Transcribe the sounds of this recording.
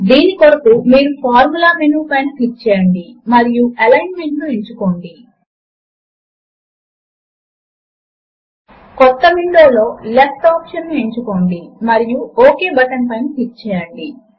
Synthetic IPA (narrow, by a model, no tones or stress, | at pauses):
d̪iːnikoɾɐpumiːɾupʰaːɾmulaːmenuːpɐjnpit͡ʃɛːjɐɳɖimɐɾijuʔɐlɐjnmeɳʈlueɲt͡ʃuko̞ɳɖi | kɔt̪ːɐʋiɳɖo̞ːlo̞ːlefʈaːpʂɐnːue̞ɲt͡ʃuko̞ːɳɖimɐɾijuoːke̞ːbɐʈɐnpɐjnupit͡ʃɛːjɐɳɖi